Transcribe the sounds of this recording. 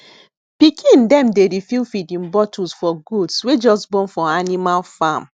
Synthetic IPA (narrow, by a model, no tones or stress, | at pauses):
pikʰĩndɛ̃mdeɾifilfidĩnbɔtusfɔɡudswed͡ʒɔsbɔ̃nfɔanimalfam